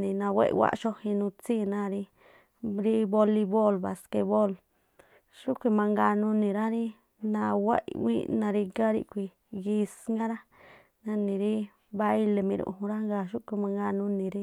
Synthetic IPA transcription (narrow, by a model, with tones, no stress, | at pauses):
nĩ˨nã˧wḛ˦ʔḭ˧wa̰˦˧ʔʃo˧hĩ˧nũ˧t͡si˦˨nã˧˨ɾi˧ | ɾi˦βo˧li˧βo˦˨lβa˨ske˧βo˦˨l | ʃu˦kʷi˧mã˧ŋɡa˧nũ˧nĩ˨ɾa˦ɾi˦ | nã˧wḛ˦ʔḭ˧wḭ˦˧nã˧ɾi˧ɡa˦ɾḭ˧kʷi˧ | ɡi˧sŋɡa˦ɾa˦ | nã˧nĩ˨ɾi˦ | βa˧i˧le˧mĩ˧ɾṵ̃˧˨˧hũ˧ɾa˦ŋɡa˧˨ʃu˦ʔkʷi˧mã˧ŋɡa˧nũ˧nĩ˨ɾi˦